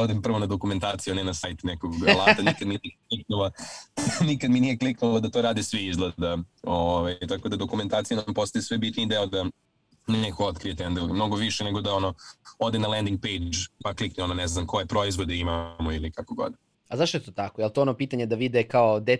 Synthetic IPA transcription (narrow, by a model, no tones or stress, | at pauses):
od̪empr̩ʋo̞nad̪o̞kument̪aːt̪sijunɛnasajt̪nekoɡlˠaːt̪anikad̪minieklik̚nula | nikad̪minijekliknulad̪at̪oːɾaːd̪isʋiizlˠed̪aoʋajt̪ako̞d̪ad̪o̞kume̞nt̪aːt̪sijunampo̞st̪ajisʋebit̪nid̪eod̪a | nekoot̪kɾijet̪end̪elmno̞ɡoʋiʃeneɡod̪ao̞noo̞d̪enalend̪iŋɡ̚pejd͡ʒpaklikneononɛznamko̞jepɾo̞izʋo̞d̪eimamoilikakoɡo̞̰d̪ | azaʃt̪oet̪oːt̪akojelˠt̪oonopiːt̪aɲed̪aʋid̪ɛkaod̪e